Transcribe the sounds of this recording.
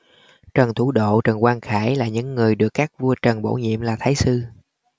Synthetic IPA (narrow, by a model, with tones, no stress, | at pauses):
t͡ɕə˨˩nt̪ʰu˧˩ɗo̰˧˨t͡ɕə˨˩nkwaː˧nxaː˧˩jlaː˨˩ɲɨ̰˧˥ŋːɨ˨˩əjɗɨ˨˩əkːaː˦˥k̚vu˧ət͡ɕə˨˩nɓo̰˧˩ɲḭ˧˨əmlaː˨˩t̪ʰaː˨˦jsɨ˧